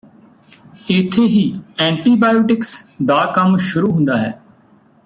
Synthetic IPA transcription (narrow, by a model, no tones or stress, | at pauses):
ɪːt̪ʰeːɦiːɛ̃ːɳʈiːbaːjoːʈɪksd̪aːkəmʃʊɾuːɦʊ̃nd̪aːɦɛː